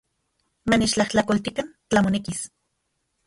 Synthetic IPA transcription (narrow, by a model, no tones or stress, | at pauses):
manet͡ʃt͡ɬaht͡ɬakolt̪ikant͡ɬamonekis